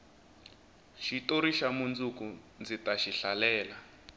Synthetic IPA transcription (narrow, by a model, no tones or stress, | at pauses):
ʃitoɾiʃamund͡zuku | nd͡zitaʃiɬalɛːla